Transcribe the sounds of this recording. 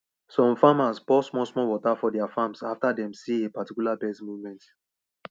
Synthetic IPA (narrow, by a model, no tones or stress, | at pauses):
sɔ̃mfamaspɔsmɔsmɔwɔtafɔdɛafãmsaftadɛ̃msiepatikjulabɛstmuvmɛ̃nt